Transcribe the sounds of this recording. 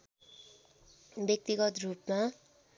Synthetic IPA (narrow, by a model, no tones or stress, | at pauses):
bjʌk̚t̪iɡʌt̪rupma